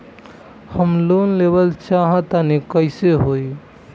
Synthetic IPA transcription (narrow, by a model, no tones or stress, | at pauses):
həmlonlebəlt͡ʃaɦət̪anekəɪseɦoi